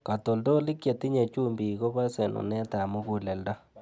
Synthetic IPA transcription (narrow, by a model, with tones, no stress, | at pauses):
ka˨to˨ldo˦li˦kje˨ti˦ɲe˨t͡ʃu˦mbi˨ko˦ba˦se˨nṵ˨nɛ˦ta˨mu˦ku˨lɛ˨lda˦